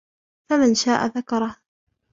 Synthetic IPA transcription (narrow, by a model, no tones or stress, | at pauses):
famanʃaːʔa̰ðakɑɾˤɑh